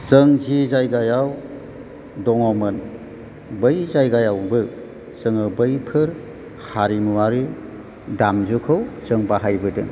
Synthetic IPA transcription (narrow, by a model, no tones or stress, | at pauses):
sɯŋzizajɡajaw | dɔŋɔmɯn | bɯjzajɡajawbɯ | z̥ɯŋɯbɯjpʰɯɾ | haɾimuaɾi | damzukʰɯwzɯŋbaɦajbɯdɯ̰